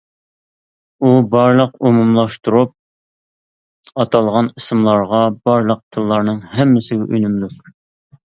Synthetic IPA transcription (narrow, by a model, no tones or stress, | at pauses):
ubɑɾlˠəqumumlˠɑʃt̪uɾup̚ | ɑt̪ʰɑlˠʁɑnisɨmlˠɑɾʁɑbɑɾlˠəq̚t̪ʰɨlˠːɑɾnɨŋhɛmːɪsɪɡʲɛʔynymlykʲ